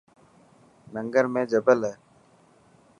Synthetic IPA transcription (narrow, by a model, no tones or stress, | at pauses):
nə̃ŋɡəɾmẽːd͡ʒəbələ